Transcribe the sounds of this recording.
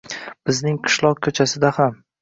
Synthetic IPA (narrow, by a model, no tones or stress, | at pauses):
b̥ɪznɪŋqʰɨ̥ʃlˠɒq̚kʲʰɵt͡ʃʰasɪd̪aham